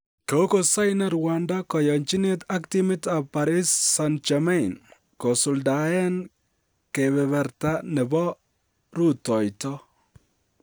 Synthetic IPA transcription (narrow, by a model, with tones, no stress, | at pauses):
ke˨o˦ko˨sa˦jnɛ˦ɾwandakɔ˨jɔ˨ɲt͡ʃi˦ne˦ta˦ktimɪ˦ta˨pːa˨ɾi˦sːant͡ʃamɛ˦n | ko˨sʊ˨lda˨ɛ˦n | ke˨bɛ˨βɛ˨rtanɛ˨bɔ˦ | ɾu˦tɔ˨jtɔ